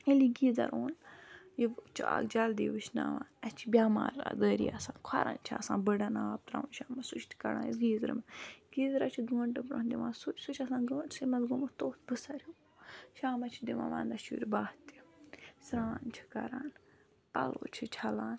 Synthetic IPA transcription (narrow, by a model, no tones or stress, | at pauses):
eliɡiːzɐ̰ɾoːnjit͡ʃʰa̰ːɡ̚d͡ʒɐld̪ḭːʋɨt͡ʃʰna̰ʋaːnɛt͡ʃʰibʲjaːma̰ːɾad̪əːɾḭasãːnkʰɐɾɐ̰nt͡ʃʰiasãːnbəɽɐnaːp̚t̪ɾa̰ʋunʃaːmɐsut͡ʃʰt̪ʰi̥kɐɽã̰ːnjisɡiːzɾḭmɐɡiːzɾat͡ʃʰiɡəːɳʈɨbɾɐnd̪iʋaːsut͡ʃsut͡ʃʰɐsãːnɡət͡ʃʰsimɐzɡumɐt̪oːt̪bɨsɐɾʲi | ʃaːmɐt͡ʃʰid̪iʋã̰ʋaːnd̪ɐʃuɾʲbaːht̪i̥sɾaːnt͡ʃʰi̥kɐɾaːn | pɐloːt͡ʃʰit͡ʃʰɐlaːn